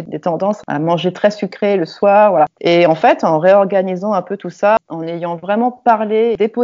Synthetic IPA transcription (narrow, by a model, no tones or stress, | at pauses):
d̪et̪ɑ̃d̪ɑ̃sa̰mɑ̃ʒet̪χɛsykχeləswaːʁvwalaeɑ̃fɛt̪ɑ̃ʁeɔʁɡanizɑ̃ɛ̃pøt̪usaɑ̃nejɑ̃vʁɛmɑ̃paʁled̪epo